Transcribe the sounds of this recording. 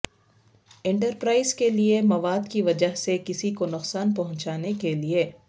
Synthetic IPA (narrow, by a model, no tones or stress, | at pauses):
ɪ̃ɳʈəɾpɾaːɪzkeliemɐʋaːd̪kiʋɐd͡ʒəɦsekɪsikonʊqsaːnpɐɦʊ̃ɲt͡ʃaːnekelieː